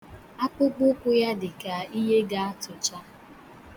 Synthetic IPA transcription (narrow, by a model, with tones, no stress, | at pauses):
a˦k͡pʊ˦ɡ͡bʊ˦kʷʊ˦ja˦dɪ˨ka˨i˦ɦe˦ɡa˦a˦tʊ˨t͡ʃa˦